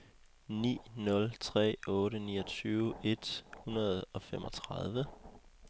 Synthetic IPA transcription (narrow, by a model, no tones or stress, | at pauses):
nḭːnɔ̽lt͡sʰʁɛ̰ːɔ̽ːɾənḭːɒ̽t͡sʰyːʊe̝d̥hunɐð̞ˠɒ̽fem̰ʔɒ̽t͡sʰʁɑð̞ˠʋə